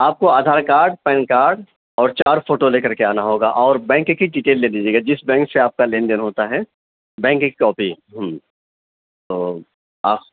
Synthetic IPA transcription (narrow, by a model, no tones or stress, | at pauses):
aːp̚koaːd̪ʱaːɾkaːɾɖpɛ̃ːnkaːɾɖ | ɔːɾt͡ʃaːɾfʰoːʈoleːkɐɾkeaːnaɦoːɡaʔɔːɾbɛ̃ːŋkkːiɖɪʈeːlːeːliːd͡ʒieːɡad͡ʒɪsbɛ̃ːŋkseaːp̚kalẽːnd̪ɪnɦoːt̪aɦɛ | bɛ̃ːŋkikkɔːpi | ɦəm | t̪oː | a̰ː